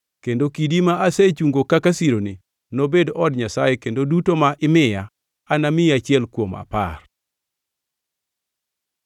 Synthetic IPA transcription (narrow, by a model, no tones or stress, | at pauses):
kendokidimaʔaset͡ʃuŋɡokakasiɾoni | nobedɔdɲasajekendodutomaʔɪmɪjaː | namɪat͡ʃɪɛlkwoma̰pa̰r